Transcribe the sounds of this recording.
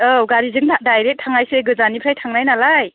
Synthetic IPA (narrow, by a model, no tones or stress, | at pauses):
ɯɡaɾizɯŋadajɾek̚tʰːaŋajseɡɯzanipʰɾajtʰaŋnajnalaj